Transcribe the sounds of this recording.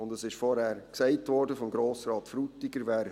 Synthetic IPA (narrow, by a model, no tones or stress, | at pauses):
ʊndəsɪʃfɔɾhæːɾksɛɪtvɔɾdəfɔmɡɾoːsɾɑːtfɾutːɪɡəɾʋæːɾ